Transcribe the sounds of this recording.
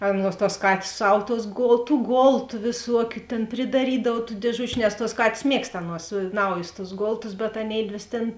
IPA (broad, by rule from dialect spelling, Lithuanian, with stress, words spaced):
ˈɑːˌnuɔs tuɔs ˈkɑːtʲeːs ˈsɐw tuɔs ˈɡoːlˠ tuː ˈɡoːlˠtʊ ʋʲeːˈsuɔkʲʊ tʲeːn pʲrʲɪdɐˈrʲiːdɐw tuː dʲeːˈʒʊt͡ʃʲʊ nʲɛs tuɔs ˈkɑːtʲeːs ˈmʲiɛkst ˈɑːˌnuɔs ˈnɐʊjʊs tʊs ˈɡoːlˠtʊs bʲɛt ɐˈnʲeːɪdʲʋʲeːs tʲeːn